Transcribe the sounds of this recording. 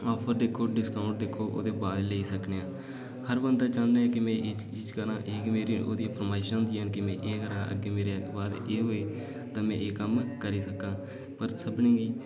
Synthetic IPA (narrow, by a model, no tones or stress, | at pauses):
ɔːpʰəɾd̪eːkʰːoːɖɪskaːʊɳʈ̚d̪eːkʰːoːʔo̰ːd̪eːbaːd̪leːiːsəkneːãː | həɾbənd̪aːt͡ʃãːnd̪eːɛ̃ːkɪmɛ̃ːʔ | ɪd͡ʒkəɾãːʔeːkmeːɾiːo̰ːd̪iːpʰəɾmaːɪʃə̃ːnd̪iːɦənkɪmɛ̃ːʔeːkəɾãːʔə̰ɡeːmeːɾebaːd̪eːɦoːeː | t̪ãːmɛ̃ːʔeːkəmkəɾiːsəkãː | pəɾsəbnĩːɡiː